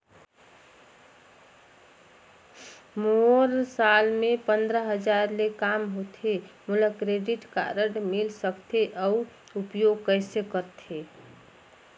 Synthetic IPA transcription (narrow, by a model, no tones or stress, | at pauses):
moɾsalmẽpənd̪ɾəɦəd͡ʒaɾlekamɦot̪ʰemuləkɾeɖiʈka̰ɾəʈmilsəkt̪ʰeʔəu | upjoɡ̚kəɪsekəɾt̪ʰe